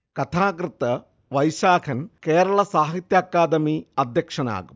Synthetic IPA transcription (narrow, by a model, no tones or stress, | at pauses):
kɐt̪ʰaːkɾɨt̪ɐ | ʋɐjʃaːkʰɐnkeːɾɐɭɐsaːɦit̪jaːkːaːd̪ɐmiɐd̪jɐkʂɐna̰ːɡum